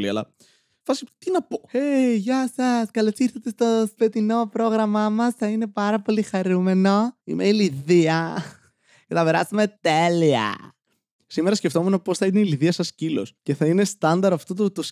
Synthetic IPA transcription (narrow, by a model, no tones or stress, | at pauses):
liɐ̰lɐ̰ | fɐst̪inɐpoeʝɐsɐskɐlosiɾθɐt̪e̞st̪ope̞t̪ino̞pɾo̞ɣɾɐmɐmɐsθɐine̞pɐɾɐpo̞lixɐɾume̞no̞ḭmʔeiliðiɐ | kɐt̪ɐpe̞ɾɐ̰st̪eme̞t̪e̞liɐ̰ | simeɾɐsceft̪o̞menopo̞sθɐineiliðiɐsɐscilo̞̰sce̞θɐine̞st̪ɐnd̪ɐɾɐft̪ot̪ut̪os